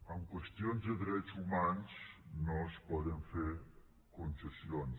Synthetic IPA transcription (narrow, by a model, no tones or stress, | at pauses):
aŋkwest̪jonzd̪əd̪ɾɛt̪sumansnɔspɔðəɱfeɾ | konsesjons